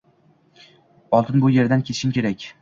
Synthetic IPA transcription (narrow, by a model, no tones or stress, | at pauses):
ɒlˠt̪ʰɪnbʊje̞ɾd̪ankʲʰe̞t̪ʰɪ̥ʃɪmkʲe̞ɾakʲ